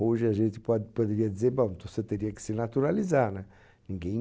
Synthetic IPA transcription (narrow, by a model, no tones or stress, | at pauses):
oʒɪaʒẽnt̪ɪ̥pɔd̪ɪpod̪eɾiɐd̪izeɾbõw̃t̪oset̪eɾiɐkɪ̥sɪɾnat̪uɾalizaɾnɛ | nĩŋɡẽj̃